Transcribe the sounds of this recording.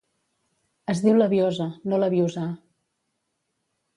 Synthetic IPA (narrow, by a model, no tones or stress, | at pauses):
əzðiwləβjɔzənoləβjuza